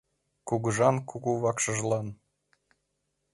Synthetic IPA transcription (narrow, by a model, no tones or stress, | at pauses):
kuɣəʒɑnkuɣuβɑkʃɤ̆ʒlˠɑn